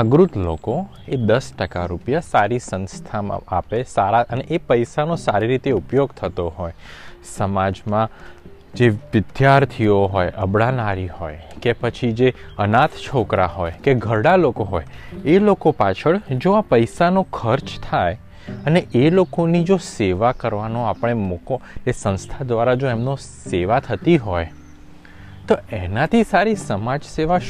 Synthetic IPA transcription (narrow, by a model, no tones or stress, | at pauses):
əɡɾut̪lo̰ko | ed̪əsʈəka̰ɾupjasaɾisə̃nst̪ʰama̰apesaɾaəneʔepəjsanosaɾiɾit̪eupjoɡt̪ʰət̪oɦoj | səmad͡ʒmã | d͡ʒeʋɪd̪jaɾt̪ʰioɦojəbɽanaɾihojkepət͡ʃʰid͡ʒeənat̪t͡ʃʰokɾaɦojkeɡʱəɽalokoɦɔjelokopat͡ʃʰəɭd͡ʒoapəjsanokʰəɾt͡ʃt̪ʰaj | əneʔelokonid͡ʒoseʋakəɾʋanoapəɽ̃emukoesə̃nst̪ʰad̪ʋaɾad͡ʒoemno | seʋat̪ʰət̪iɦɔj | t̪oenat̪ʰisaɾisəmad͡ʒseʋa